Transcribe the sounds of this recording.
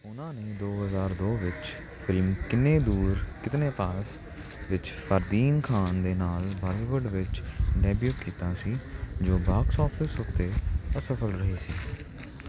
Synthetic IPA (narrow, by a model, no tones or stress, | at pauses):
ʊnãːneːd̪oːɦəzaːɾd̪oːʋɪt͡ʃ | pʰɪlmkɪnːẽːd̪uːɾkɪt̪nẽːpaːs | ʋɪt͡ʃpʰəɾd̪iːnkʰaːnd̪eːnaːlbaːliːʋʊɾɖʋɪt͡ʃɖɛːbjuːʈkiːt̪aːsiːd͡ʒoːbaːksɔːpʰɪsʊkt̪eːəsəpʰəlɾəɦiːsiː